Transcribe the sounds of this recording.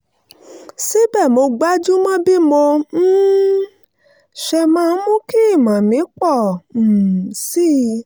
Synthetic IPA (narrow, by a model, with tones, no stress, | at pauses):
si˨˦bɛ˦˨mo˧ɡ͡ba˨˦d͡ʒu˦mã˦bi˦mo˧˦ | ʃɛ˧mã˦mũ˦ki˦i˦˨mã˨mĩ˨˦k͡pɔ̃˦˨ | si˦˧